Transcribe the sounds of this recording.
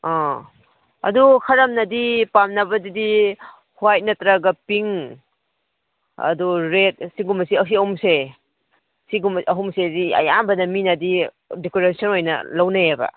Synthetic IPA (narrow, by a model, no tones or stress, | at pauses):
ɔ | ɐ̰dukʰɐɾɐmnɐdipamnɐbɐdidi | huajt̚nɐtɾaɡɐpiŋ | ɐ̰duɾet̚siɡumɐsiɐs̬iɐhumse | siɡumɐɦumseziɐ̰jambɐnɐminɐdi | dikoɾesɔnojnɐ̰lɐwnajebɐ̰